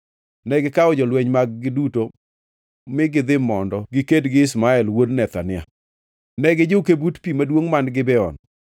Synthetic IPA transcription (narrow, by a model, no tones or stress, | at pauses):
nɛɡɪkaɔd͡ʒɔlwɛɲmaɡ̚ɡɪduto | mɪɡɪd̪ɪmɔndɔɡɪkedɡɪɪs̬maɛlwodnɛt̪a̰nɪa̰ | nɛɡɪd͡ʒɪkebutpimadwoŋmanɡɪbɛɔ̰n